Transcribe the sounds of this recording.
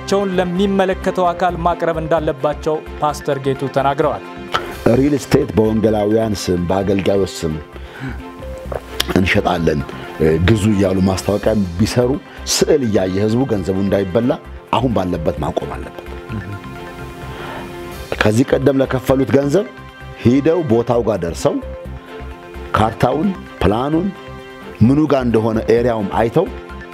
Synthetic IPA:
t͡ʃːɛwnləmːimːələkːət̪ʰəwakʰalmakʼɾəβɨnd̪alːəbːat͡ʃːɛwpʰast̪ʰəɾɡet̪ʰut̪ʰənaɡɾəwal | ʔɨɾilst̪ʰe̞t̪bəwɔŋɡəlawijansɨmbəaɡəlɡajwɔsɨm | ɨnʃɛt̪ʼalːənɡɨzuɨjːalːumast̪ʰawɔkʼajbisəɾu | sɨʔɨlɨjːajːɛhɨzbuɡənzəβuɨnd̪ajɪbːəlːa | ʔahunbalːəbːət̪ma̰kʼo̞ma̰lːəbːə̥t̪ | kʰəzːihkʼəd̪ːəmləkʰəfːəlut̪ɡənzəβ | hid̪əwbo̞t̪ʰawɡad̪əɾsəw | kʰaɾt̪ʰawɨn | pʰlanun | mɨnuɡaɨnd̪əɦo̞nəʔeɾijawɨma̰jt̪ʰəw

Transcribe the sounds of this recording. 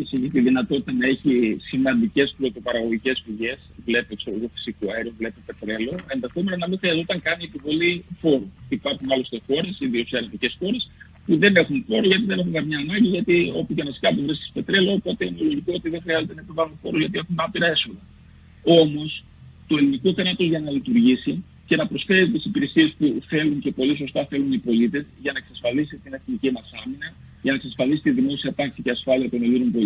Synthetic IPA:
isiʝit̪iðinɐt̪o̞t̪i̥t̪ɐnɐe̞çisimɐnd̪ice̞spɾo̞t̪o̞pɐɾɐɣo̞ʝice̞spiʝe̞svle̞peeksoloɣofi̥sikuɐeɾiovle̞pepe̞t̪ɾe̞lo̞e̞nðe̞xo̞me̞nonɐmixɾiɐzot̪ɐŋkɐniepivo̞lifo̞ɾut̪ipɐɾxunɐlost̪exo̞ɾe̞siðioksiɐɾɐt̪ice̞sxo̞ɾe̞s | puðe̞ne̞xunfo̞ɾuzʝɐt̪iðene̞xuŋkɐmɲɐːnɐɲɟiʝɐt̪io̞pucenɐsi̥kɐpovɾisti̥spe̞t̪ɾe̞loːpo̞t̪e̞inelo̞ʝikoo̞t̪iðeŋxɾiɐze̞t̪e̞nɐepivɐlunfo̞ɾozʝɐt̪ie̞xunɐpiɾɐe̞so̞ðɐ | o̞mo̞s | t̪oe̞linikoθenɐt̪o̞zʝɐnɐlit̪uɾʝisi | ce̞nɐpɾo̞sfe̞ɾit̪isipiɾe̞sie̞spuθe̞lunce̞po̞liso̞st̪ɐθe̞lunipo̞lit̪e̞zʝɐnɐeksɐsfɐlisit̪ine̞θnicimɐsɐminɐ | ʝɐnɐeksɐsfɐlisi̥t̪iðimo̞siɐt̪ɐksiceɐsfɐliɐt̪o̞neliɾompo̞l

